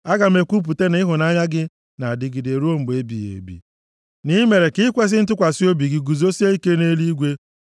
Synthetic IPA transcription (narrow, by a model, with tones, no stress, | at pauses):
a˦ɡa˨m̩˦e˨kʷu˦p̬u˨te˦nɪ˦ɦʊ˨na˦ɲa˦ɡɪ˦ | na˨dɪ˨ɡɪ˨de˨ɾu˦o˦m̩˨be˦bḭ˨jḛ˨bḭ˨ | ni˦me˨ɾe˨kɪ˦kʷe˦s̬ɪ˦n̩˦t̬ʊ˦kʷa˨si˦o˦bi˨ɡɪ˨ɡu˨zo˦si˦e˦i˦ke˦ne˦li˦ɡʷe˦